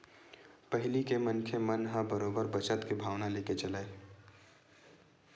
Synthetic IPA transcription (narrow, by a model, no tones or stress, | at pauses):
pəɦɪlikemənkʰemənɦãbəɾoːbəɾbət͡ʃət̪kibʱaːʋnaleːket͡ʃəlaːe